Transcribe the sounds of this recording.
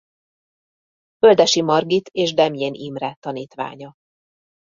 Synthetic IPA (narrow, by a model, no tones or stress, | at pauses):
føld̪ɛʃimɒrɡit̪eːʒd̪ɛmjenʔimrɛt̪ːɒniːt̪ʋa̰ːɲɒ